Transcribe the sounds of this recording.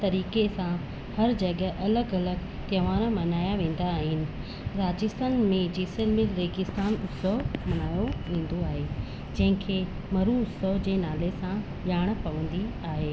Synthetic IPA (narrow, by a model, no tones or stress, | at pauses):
t̪ɐɾiːkesã | hɐɾd͡ʑɐɠʔɐləɡɐləɡ | t̪jɐʋaːɾamɐnaːjaʋẽːn̆d̪aːɦɪnɪ̆ | ɾaːd͡ʑɪst̪aːnmẽd͡ʑiːsɪlmɪlɾeːɡɪst̪aːnʊsəɦmɐnaːjoʋĩːn̆d̪oaːɦe | d͡ʑɐ̃ɦɪ̃kʰeː | mɐɾuʊsəɦd͡ʑeːnaːlesã | ʄaːɽ̃pɐʋə̃n̆d̪iaːɦeː